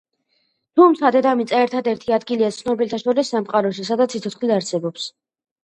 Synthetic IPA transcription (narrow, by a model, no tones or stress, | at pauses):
t̪ʰumt̪sʰad̪ɛd̪amit̪sʼaɛɾt̪ʰad̪ɛɾt̪ʰiad̪ɡiliat̪sʰnɔbilt̪ʰaʃɔɾisːamqʼaɾɔʃ̬isad̪at̪sʰit̪sʰɔt̪sχliaɾsɛbɔps